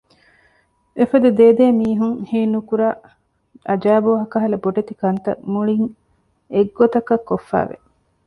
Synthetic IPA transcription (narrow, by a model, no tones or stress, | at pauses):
efɐd̪ud̪eːd̪eːmiːɦuŋhiːnukuɾaː | ɐd͡ʒæːboːɦɐkɐɦɐlɐboɖet̪ikɐnt̪ɐ̰muɭiŋ | eɡːot̪ɐkɐkːofːæ̰ːʋḛ